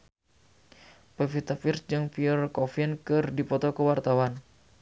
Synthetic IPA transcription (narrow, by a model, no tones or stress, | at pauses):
pəfit̪afirsd͡ʒɨŋpiurkɔfiənkɨrdipɔt̪ɔkəwart̪awan